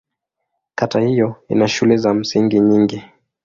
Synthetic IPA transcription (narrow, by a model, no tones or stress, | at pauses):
katahijɔḭnaʃulɛzam̩siŋɡiɲiŋɡi